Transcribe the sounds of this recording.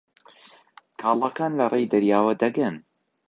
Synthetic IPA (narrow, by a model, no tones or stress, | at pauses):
kʰaːlˠɑkaːnlɐrˤʔejd̪ɐɾjaːwɐd̪ɐɡɨn